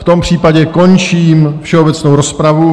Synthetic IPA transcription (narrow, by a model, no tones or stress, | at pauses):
ft̪o̞mpr̝̥iːpaɟɛko̞nt͡ʃiːmfʃɛobɛt͡snowɾospɾavu